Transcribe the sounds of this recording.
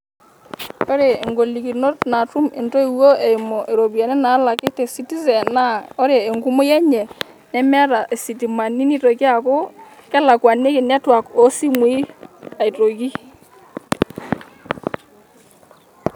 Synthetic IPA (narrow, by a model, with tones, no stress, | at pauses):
o˦ɾe˨e˨ŋɡo˨li˨ki˨no˦tna˨tu˦me˨nto˦i˨wo˦e˨i˨mo˨ʔe˨ɾo˨bja˨nɛ˦na˨˦la˨kɪ˦te˨si˦ti˦zɛ˨na˦ɔ˦ɾe˨e˨ŋɡu˦mo˦jɛ˦ɲɛ˨ | nɛ˦m˦a˦ɾa˨ʔe˨si˨ti˨ma˨ni˦ni˦to˨ki˦a˨ko˦kɛ˦la˨kwa˨ne˦kɪ˨na˦twa˨ko˦si˦mwi˦a˨i˨to˨ki˦